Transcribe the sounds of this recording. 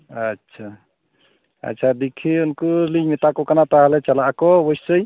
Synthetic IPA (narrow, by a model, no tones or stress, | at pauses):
ətːʃʰa | ə̰tːʃʰad̪ikʰiunkulimit̪akɔkanat̪aɦalɛt͡ʃəlaʔkɔbəjsəj